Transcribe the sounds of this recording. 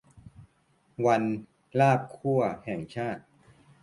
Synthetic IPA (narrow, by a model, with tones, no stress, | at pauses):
wa˧n | laː˥˩p̚kʰu˥˩ɐhɛː˨˩ŋt͡ɕʰaː˥˩t̪̚